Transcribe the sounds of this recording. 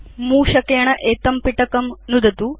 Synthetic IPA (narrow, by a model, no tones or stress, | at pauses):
muːʃɐkɐjɐɳɐʔeːt̪ɐmpiʈɐkɐmnud̪ɐt̪u